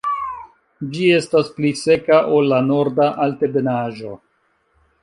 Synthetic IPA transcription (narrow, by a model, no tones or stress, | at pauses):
d͡ʒie̞stasplise̞kaʔo̞lːano̞ɾdaʔalte̞be̞naʒo̞